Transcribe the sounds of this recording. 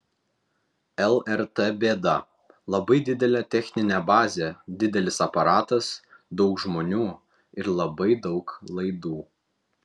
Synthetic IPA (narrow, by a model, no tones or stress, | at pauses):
ɛlˠɛɾt̪ebʲeːd̪ɐ | lˠɐbɐɪd̪ʲɪd̪ʲɛlʲɛːt̪ʲɛxʲnʲɪnʲɛbɑːzʲed̪ʲɪd̪ʲɛlʲɪsɐpɐɾɑːt̪ɐs | d̪ɒʊkʒmoːnʲuː | ɪɾlˠɐbɐɪd̪ɒʊklˠɐɪd̪uː